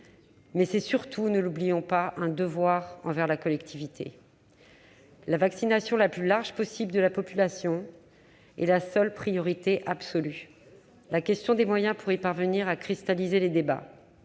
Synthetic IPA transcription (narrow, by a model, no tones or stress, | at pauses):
mɛsɛsyʁt̪ʰunəlublijɔ̃paʔɛ̃d̪əvwaʁɑ̃vɛʁlakɔlɛkt̪ʰivit̪ʰḛ | lavaksinasjɔ̃laplylaʁʒpɔsibld̪əlapɔpylasjɔ̃ | ɛ̰lasœlpχijɔʁit̪eʔapsɔly | lakʲɛst̪jɔ̃d̪emwajɛ̃puʁipaʁvəniʁakχist̪alizeled̪eba̰